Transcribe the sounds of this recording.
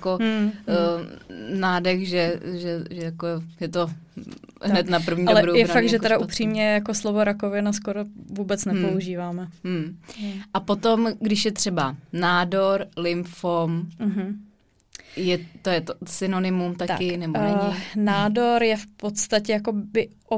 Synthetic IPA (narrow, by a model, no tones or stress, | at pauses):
ako | naːdɛxʒɛʒɛʒɛjakojɛt̪o | ɦnɛt̪napr̩vɲiadolɛbɾujɛnfak̪̚ʒɛt̪ɛɾaʔupr̝̥iːmɲɛjako̞slovo̞ɾakovɪnaskoɾovuːbɛt͡snɛpouʒiːvaːmɛ | ʔapot̪omɡdɪʃjɛt̪r̝̥ɛbanaːdoɾlɪmfom̩ɦ̩ | jɛt̪ojɛt̪osɪnonɪmumt̪at̪a̰kɪnɛbonɛɲnaːdo̞ɾjɛfpo̞t̪st̪acɛjako̞bɪʔo